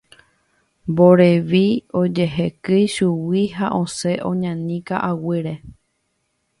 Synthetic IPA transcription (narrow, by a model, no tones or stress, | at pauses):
mboɾeʋio̞d͡ʒe̞ɦekɨjʃuwiɦaʔõseʔõɲãnĩka̰ʔawɨɾe